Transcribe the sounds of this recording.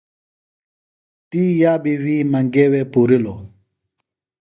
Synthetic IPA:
t̪ijabiwimãŋɡɛwɛpuɾilɔ

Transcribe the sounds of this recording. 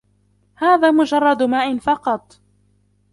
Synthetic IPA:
haːðaːmʊd͡ʒɑrˤːɑd̪maːʔɪnfɑqɑt̪ˤ

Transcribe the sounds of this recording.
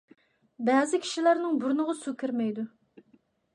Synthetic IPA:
bɛːzɪkʲʰi̥ʃilæɾnɨŋbuɾnʊʁɑsukʲʰiɾmɛjd̪u

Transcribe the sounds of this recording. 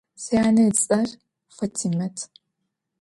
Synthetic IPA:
sɐjaːnɐɐr | fʷɐtʰimɐtʰ

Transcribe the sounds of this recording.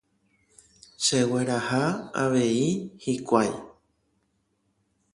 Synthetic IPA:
ʃeweɾahaa̰ʋe̞ihikʷaj

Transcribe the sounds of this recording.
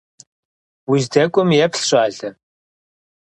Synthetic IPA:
wizdɐkʷʼʊmjɛpɬɕʼaːɮɐ

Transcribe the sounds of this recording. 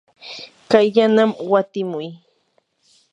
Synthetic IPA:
kajʎanamwat̪ɪmʊj

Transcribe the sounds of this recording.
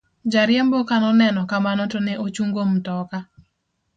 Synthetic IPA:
d͡ʒaɾɪjembokanɔnɛnɔkamanɔtɔnɛʔot͡ʃuŋɡomtɔka

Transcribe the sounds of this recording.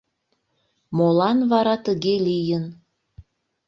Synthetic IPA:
molɑnβɑɾɑt̪əɣelijən

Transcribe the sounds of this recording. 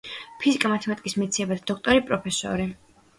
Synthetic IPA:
pʰizikʼamat̪ʰɛmat̪ʼikʼismɛt̪sʰiɛbad̪ad̪ɔkʰt̪ʼɔɾipʼɾɔpʰɛsɔ̰ɾi

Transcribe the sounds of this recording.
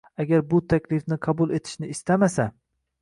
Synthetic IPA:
aɡʲaɾbʊt̪ʰakʲlɪfnɪqʰɑbʊlˠe̞t̪ʰɪ̥ʃnɪːst̪amasa

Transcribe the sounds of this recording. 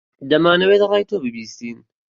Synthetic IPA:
d̪ɐmaːnɐweːd̪ɐɾˤaːjt̪oːbɨbiːsiːn

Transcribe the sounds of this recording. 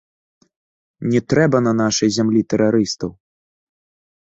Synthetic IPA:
nʲɛt̪ɾɛbɐnɐnaʂɐjzʲamlʲit̪ɛɾaɾɨst̪ɐw

